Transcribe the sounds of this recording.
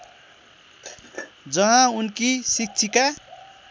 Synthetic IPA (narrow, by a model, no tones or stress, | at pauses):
d͡zʌɦãunkisik̚t͡sʰika